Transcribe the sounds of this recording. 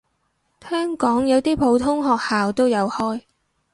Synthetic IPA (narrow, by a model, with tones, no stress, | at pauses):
hœː˥ŋkɔː˨˥ŋjɐ˨˧wt̪iː˥pʰo˨˥wt̪ʰʊ˥ŋɦɔː˨k̚haː˨wt̪o˥wjɐ˨˧whɔː˥j